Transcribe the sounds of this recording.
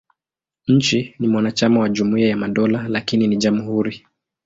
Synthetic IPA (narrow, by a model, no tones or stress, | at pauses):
ɲ̩t͡ʃinimwanat͡ʃamawaʄumuiajamaɗɔlalakininiʄamhuɾi